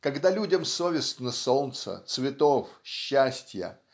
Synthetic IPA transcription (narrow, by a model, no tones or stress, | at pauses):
kɐɡd̪alʲudʲəmsovʲɪst̪nəsont̪sə̰t̪svʲɪt̪ofɕːæsʲtʲjə̰